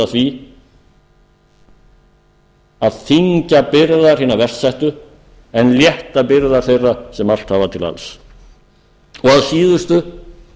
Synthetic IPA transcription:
aθvi | aðθiɲcapɪɾðaɾ̥hiːnavɛr̥sajht̪ʏ | ɛnljɛht̪apɪɾðaɾ̥θejrasɛmal̥t̪havat̪ʰɪla̰ls | ɔɣaðsiːðʏst̪ʏ

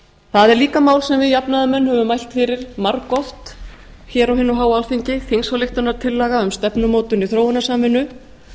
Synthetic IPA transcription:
θaðɛɾliːkamaːwlsɛmvɪðjapnaðʏmɛnːhœvʏmajl̥t̪fɪɾɪɾ̥maɾkɔft̪ | çɛːɾawhɪnːʏɦaːwalfiɲcɪθiŋsvɔlɪxt̪ʏnaɾ̥t̪ʰɪlːɛɣaʏmst̪ɛpnʏmoːwt̪ʏniθɾowanasaːmɪnːʏ

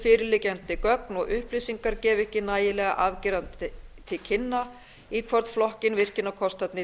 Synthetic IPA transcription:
fɪːɾɪlɪːcɛnt̪ɪkœknɔɣʏhplisiŋkaɾcɛːvɛhcɪnaːjɪlɛːɣa̰ʔavciɾant̪ɪt̪ʰɪlcʰɪnːa | ikʰvɔɾt̪flɔhcɪnvɪr̥cɪnːawkʰɔst̪at̪nɪ

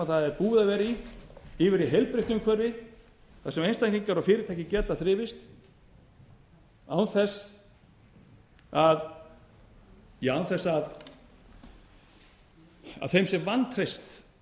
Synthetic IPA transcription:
aθaðɛɾpuːðavɛːɾiiːvɪɾiɦejlpɾɪht̪ʏmkʰɛɾɪ | θḁsɛmejnst̪anciŋkaɾafɪːɾɪt̪ʰaːjcɪcɛt̪ːaθɾɪːvɪst̪ | awnθɛs | að | jawnθɛsːað | a̰ðθejmsɛmvant̪ʰɾejst̪

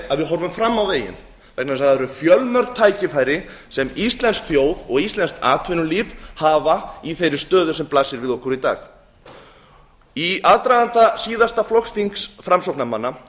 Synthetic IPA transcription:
aðvɪðɦɔɾvʏmfɾamːawðeːjɪ̰n | vɛknaðɛsaðɛɾʏfjœlmœɾk̚t̪ʰaːjcɪfaːjɾɪsɛmist̪lɛnskθjoːwðɔɣist̪lɛnst̪ʰa̰ːt̪ʰvɪnʏliːfhavaiθejɾɪ̥st̪œːðʏsɛmplasɪɾvɪðɔhkɔɾit̪a̰ːx | iaðt̪ɾaðant̪asiːðast̪aflɔxst̪iŋksfɾamsɔwknamanːa

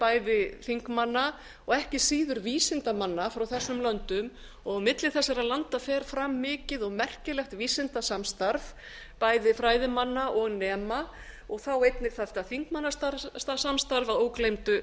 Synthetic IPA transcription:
paːjðɪθiŋkmanːa | ɔɣɛhcɪsiːðʏɾviːsɪnt̪amanːafɾawθɛsːʏmlœnt̪ʏm | ɔɣamɪt̪lɪθɛsːɛɾalant̪afɛːɾ̥fɾamːɪːcɪðɔɣmɛr̥cɪlɛxt̪viːsɪnt̪asamst̪aɾv | paːjðɪfɾaːjðɪmanːaʔɔɣnɛːma | ɔɣθawejt̪nɪɣθaft̪aθiŋkmanːast̪ast̪asamst̪aɾvaðoːwklejmt̪ʏ

